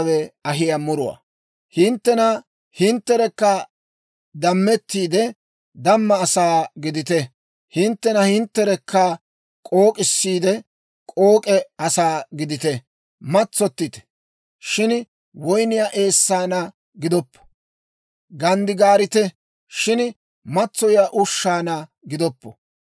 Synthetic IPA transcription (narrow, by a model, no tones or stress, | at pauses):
wɛɐɦɪjɐmʊɾʊwa̰ | hɪnt̪ːɛnɐ | hɪnt̪ːɛɾɛkːɐ | d̪ɐmːɛt̪ːiːd̪ɛ | d̪ɐmːɐːsaːɡɪd̪ɪt̪ɛ | hɪnt̪ːɛnɐhɪnt̪ːɛɾɛkʰːɐ | kʼo̞ːkʼɪsːiːd̪ɛ | kʼo̞ːkʼɛɐsaːɡɪd̪ɪt̪ɛ | mɐt͡sːɔt̪ːɪt̪ɛ̥ | ʃɪn | wɔjnɪjaːʔe̞ːsːaːnɐ | ɡɪd̪ɔpːɔ̥ | ɡɐnd̪ɪɡaːɾɪt̪ɛ | ʃɪn | mɐt͡sːɔjjaʔʊʃːaːnɐ | ɡɪd̪ɔpːɔ